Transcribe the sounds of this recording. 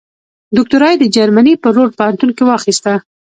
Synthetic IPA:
d̪ʊk̚t̪ʊɾɑjd̪əd͡ʒaɾmanipəɾoɾpəant̪unkiwɑxist̪a

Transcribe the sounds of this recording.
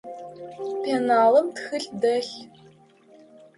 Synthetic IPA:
pʰeːnaːlɐmtxɨɬdɐɬ

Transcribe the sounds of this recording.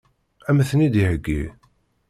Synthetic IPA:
æməθənid̪ihəɡːi

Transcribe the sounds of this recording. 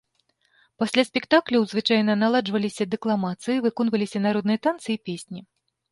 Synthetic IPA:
pasʲlʲasʲpʲɛkt̪aklʲɐwzvɨt͡ʂajnɐnalˠad͡ʐvɐlʲisʲɐd̪ɨklˠamat̪sɨjivɨkɔnvɐlʲisʲɐnaɾɔd̪nɨjɐt̪ant̪sɨipʲesʲnʲi

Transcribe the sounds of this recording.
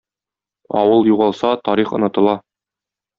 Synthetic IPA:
ɒ̰wɤlˠjuʁɑlˠsɑt̪ɒɾiχŏnɤ̆t̪ɤ̆lˠɑ

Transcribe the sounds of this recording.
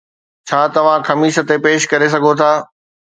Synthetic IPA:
t͡ɕʰaːt̪ɐʋ̤ãxɐmiːʃə̆t̪epeːʃkɐɾes̬ɐɡʱot̪ʰaː

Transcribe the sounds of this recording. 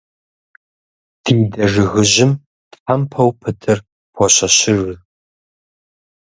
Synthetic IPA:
d̥iːdɐʐɨɣɨʑɪm | tħampʰɐwpʰɨtʰɨr | pʰɔɕɐɕɪrɨ

